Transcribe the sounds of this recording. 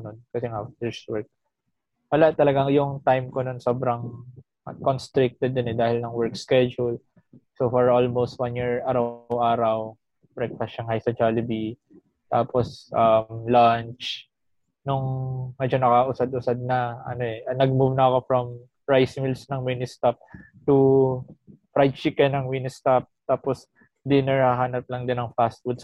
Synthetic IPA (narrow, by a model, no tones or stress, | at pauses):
nonkɐsɛŋafdɪst̪wɛɹk̚ | wɐlat̪ɐlɐɡaŋjʊŋt̪ajmkononso̞ːbɾɐŋ | konst̪ɾɪk̚t̪ɛd̪ɪnɛd̪aːhɪlnɐŋwɛɹkskɛd͡ʒul | sofɔɹʔolmowst̪̚wanjiɹʔaːɾɐwʔaːɾɐw | pɾɛk̚t̪ɐʃɐŋhajsɐd͡ʒalɪbi | t̪aːposʔɐmlant͡ʃ | nʊŋːɐd͡ʒanːɐkɐʔʊsad̪ʔʊsad̪̚nɐʔɐ̰no̞ʔɛʔɐnɐɡ̚muvnɐːko̞fɹɐm | ɹajsmilsnɐŋwinɪst̪ap̚ | t̪u | pɹajd̪̚t͡ʃikɛnɐŋwinɪst̪ap̚t̪aːpos | d̪ɪnɛɹhɐɦaːnɐp̚lɐŋd̪ɪnɐŋfast̪̚wʊd̪s